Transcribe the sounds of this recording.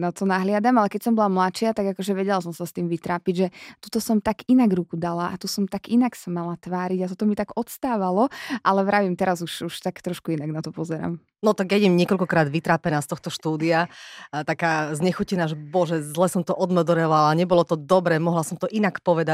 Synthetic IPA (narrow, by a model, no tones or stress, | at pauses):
nɔt̪ɔnaɦlɪad̪amalɛkɛc̚sɔmbɔlamlat͡ʃɪat̪aɡakɔʒɛʋɛɟɛlasɔmsast̪iːmʋit̪ɾaːpiɟʒɛt̪ut̪ɔsɔmt̪aɡinaɡɾukud̪alaʔat̪usɔmt̪aɡinaksamalat̪ʋaːɾiɟat̪ɔt̪ɔmit̪aɡɔt̪st̪aːʋalɔʔalɛʋɾaʋimt̪ɛɾazuʃuʃt̪akt̪ɾɔʃkuinaɡnat̪ɔpɔzɛɾa̰ːm | nɔt̪aɡjɛɟɛmɲɪɛkɔlkɔkɾaːd̪ʋit̪ɾaːpɛnaːst̪ɔxt̪ɔʃt̪uːd̪iat̪akaːzɲɛxucɛnaʒɛbɔʒɛzlɛsɔmt̪ɔʔɔd̪mɛd̪ɔɾɛlalaɲɛbɔlɔt̪ɔd̪ɔbɾɛmɔɦlasɔmt̪ɔʔinakpɔʋɛd̪a